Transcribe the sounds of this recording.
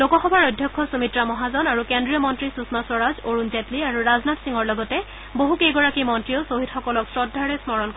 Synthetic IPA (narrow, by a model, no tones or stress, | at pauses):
lokɔxɔbaɹɔdʱjɔkʰːɔsumitɹamɔɦazɔnaɹukendɹijɔmɔntɹisusmasɔɹazoɹunzɛtliaɹuɹaznatsiŋɔɹlɔɡɔtɛ | boɦukejɡɔɹakimɔntɹijosoɦitxɔkɔlɔksɹɔdʱːaɹɛsmɔɹɔnk